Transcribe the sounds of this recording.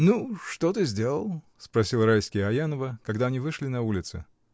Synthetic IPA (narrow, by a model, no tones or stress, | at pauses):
nuʂt̪ot̪ɨzʲdʲe̞lˠəlˠ | spɾɐsʲilˠɾajskʲɪjəɐjanəvəkɐɡd̪aɐnʲivɨʂlʲɪnɐulʲɪt̪sɨ̰